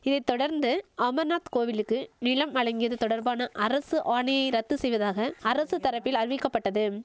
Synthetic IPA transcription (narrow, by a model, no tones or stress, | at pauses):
ɪðɐɪt̪ːɔɽɐɾnd̪ɯɐmɐnaːt̪koːʋɪlɯkːɯnɪlɐmɐɻɐŋɡɪjɐðɯt̪ɔɽɐɾbaːnɐʔɐɾɐsɯʔaːɳɪjɐɪɾɐt̪ːɯsɛjʋɐðaːɣɐːɾɐsɯt̪ɐɾɐpːɪlɐɾɯʋɪkːɐpːɐʈːɐðɯ